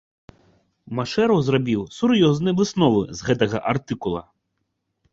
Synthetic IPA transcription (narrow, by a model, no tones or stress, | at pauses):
maʂɛɾɐwzrabʲiwsuɾjɔznɨjɐvɨsnɔvɨ̰zɣɛt̪ɐɣɐ̰ʔart̪ɨkulˠɐ̰